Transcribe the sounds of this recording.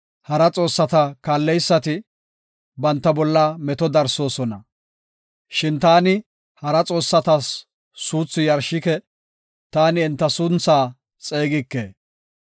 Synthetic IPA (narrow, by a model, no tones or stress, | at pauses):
hɐɾɐt͡sʼo̞ːsːɐt̪ɐkaːlːɛjsːɐt̪ɪ | bɐnt̪ːɐbɔlːɐmɛt̪ɔd̪ɐɾso̞ːsɔnɐ | ʃɪnt̪aːnɪ | hɐɾɐt͡sʼo̞ːsːɐt̪ɐsː | uːt͡sːʊjɐɾʃɪkɛ | t̪aːnɪɛnt̪ːɐsʊnt͡saː | t͡sʼe̞ːɡɪkːeː